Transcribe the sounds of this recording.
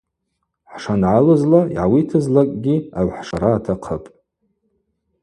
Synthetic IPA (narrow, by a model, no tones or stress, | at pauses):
ħʂanʕalɨzlaiʕawitʰɨzlakʼɡʲiaʕħʂaɾaːtʰaqʰəpʼ